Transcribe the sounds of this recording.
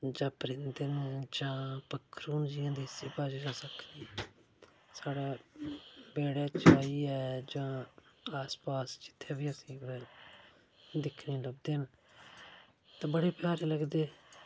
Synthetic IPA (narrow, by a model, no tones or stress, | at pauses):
d͡ʒãːpɾɪ̃nd̪ənd͡ʒãːpəkʰːɾuːnd͡ʒijãːd̪iːsiːpaːd͡ʒiːd͡ʒaːsəkʰniː | saːɽaː | beːɽeːt͡ʃʰaːiːɛːd͡ʒãːaːspaːst͡ʃɪ̥t̪ʰːeːbiːəsĩːɛː | d̪ɪkʰnĩːləbd̪eːn | t̪ãːbəɽeːpjaːɾeːləɡd̪eː